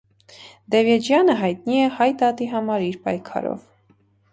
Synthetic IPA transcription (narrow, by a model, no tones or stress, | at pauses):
d̪ɛvjɛd͡ʒjɑnəɦɑjt̪̚niɛhɑjt̪ɑt̪iɦɑmɑɾiɾpɑjkʰɑ̰ɾɔ̰v